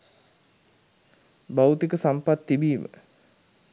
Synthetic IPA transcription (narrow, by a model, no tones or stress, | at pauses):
bawt̪ikəsampat̪ːibiːmə̰